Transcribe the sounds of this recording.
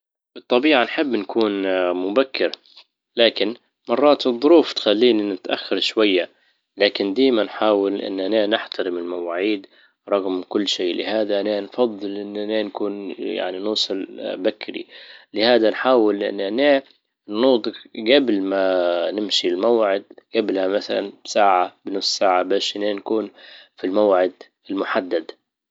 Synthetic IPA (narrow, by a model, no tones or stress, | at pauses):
b̥ɨt̪ˤːɑbiːʕanħɪbːnkuːnmʊbakːɪɾ | laːkɪn | mɑrˤːɑːt̪ɨðˤːʊɾuːft̪xalːiːninɪt̪ʔa̰xːɑɾˤʃwajːa | laːkɪnd̪aːjmanħaːwɪlʔɪ̰nːʔananɪħt̪aɾɪmɪlmawaːʕiːd̪ | ɾˤɑɣmkʊlːʃiːlɪ̰haːd̪aʔananfɑd̪ˤːɨlʔɪnːʔanaːnkuːnja̰ʕninuːsˤɑlbakːɾḭlɪhaːd̪anħaːwɪlʔɪ̰nːʔaneː | nːuːt̪ˤɨqɡablmanɪmʃilmawʕɪd̪ɡ̥ablhamaθala̰nbsaːʕabɪnʊsˤsaːʕabaːʃʔneːnkuːnfilmawʕɪd̪ | ɪlmʊħad̪ːad̪